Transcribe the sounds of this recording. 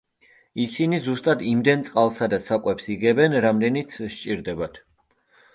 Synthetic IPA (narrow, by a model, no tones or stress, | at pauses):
isinizust̪ʼad̪imd̪ɛnt̪sʼqʼalˠsad̪asakʼwɛpsiɡɛbɛnɾamd̪ɛnit̪sʰʃt͡ʃʼiɾd̪ɛbat̪ʰ